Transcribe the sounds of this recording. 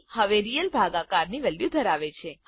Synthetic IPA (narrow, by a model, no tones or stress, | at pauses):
həʋeɾijəlbʱaɡãkaɾniʋɛljud̪ʱəɾaʋet͡ʃʰe